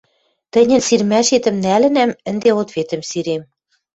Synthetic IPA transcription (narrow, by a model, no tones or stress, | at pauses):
t̪ɘ̆nʲɘ̆nsirmæʃet̪ə̆mnælɘ̆næmɘ̆nd̪eot̪βet̪ə̆msiɾem